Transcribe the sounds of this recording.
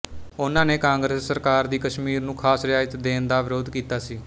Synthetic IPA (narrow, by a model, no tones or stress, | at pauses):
ʊnãːneːkãːŋɡɾeːsːəɾkaːɾd̪iːkəʃmiːɾnũːkʰaːsɾɪjaːd͡ʒət̪d̪eːnd̪aːʋɪɾoːd̪kiːt̪aːsiː